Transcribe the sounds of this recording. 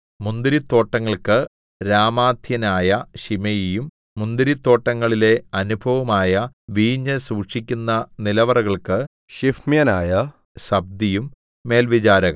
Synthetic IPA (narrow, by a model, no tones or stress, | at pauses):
mund̪iɾit̪ːo̞ːʈːɐŋːɐɭkɨ | ɾaːmaːd̪ʱjɐnaːjɐɕimɐjijumː | und̪iɾit̪ːo̞ːʈːɐŋːɐɭile̞ɐnubʱɐʋɐmaːjɐʋiːɲːɐsuːʈʂikʲːunːɐnilɐʋɐrɐɣɐɭkɨ | ɕifmjɐnaːjɐ | ɕɐb̚d̪ijumː | e̞ːlʋit͡ɕaːɾɐɣɐ